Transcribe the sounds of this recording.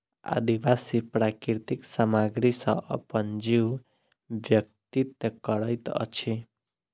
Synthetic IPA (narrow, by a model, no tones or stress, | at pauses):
a̰d̪iʋasipɾakiɾt̪iksamaɡɾisʌ̃ʔʌ̰pənd͡ʒiw | ʋjʌk̚t̪it̪kʌɽəjt̪ʌ̰t͡ʃʰi